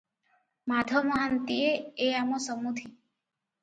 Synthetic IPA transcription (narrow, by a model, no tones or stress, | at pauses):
mad̪ʱəməɦant̪ieeamõsəmud̪ʱi